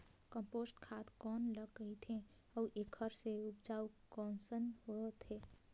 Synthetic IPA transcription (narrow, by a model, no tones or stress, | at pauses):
kə̃mpoːsʈkʰat̪kɔːnləɡəit̪ʰẽ | ɔʔekʰəɾseupd͡ʒaːukɔːnsənɦot̪ɦeː